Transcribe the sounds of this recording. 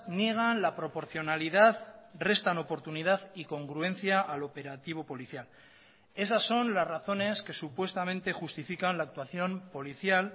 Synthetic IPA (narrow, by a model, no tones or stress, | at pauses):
nje̞ɣ̞anlapɾo̞po̞ɾθjo̞naliðaðre̞st̪ano̞po̞ɾt̪unið̞aðiko̞ŋɡɾue̞n̟θjaʔalo̞pe̞ɾat̪iβ̞o̞po̞liθjal | e̞sasːo̞nlazraθo̞ne̞ske̞supwe̞st̪amẽ̞nt̪e̞xust̪ifikanlaːk̚t̪waθjo̞mpo̞liθjal